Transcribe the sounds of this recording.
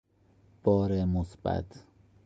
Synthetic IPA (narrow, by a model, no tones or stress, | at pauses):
b̥ɒːɾemosbæ̰t̪ʰ